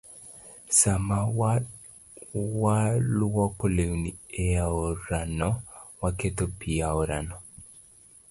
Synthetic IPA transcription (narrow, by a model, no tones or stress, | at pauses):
samaw | waluwɔkoleunieaoɾanɔwaketopiaoɾa̰nɔ